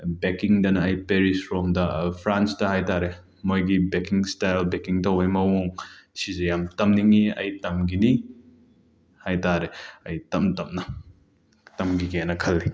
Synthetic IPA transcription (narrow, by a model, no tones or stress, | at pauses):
bekiŋdɐnɐːjpeɾisɾɔmdɐpʰɾansdɐhajtaɾe | mojɡibekiŋstajlbekiŋtɐwajmɐwoŋsizejamtɐmniŋiɐ̰jtɐmɡini | hajtaɾeɐjtɐmtɐmnɐ | tɐmɡiɡenɐkʰɐlːi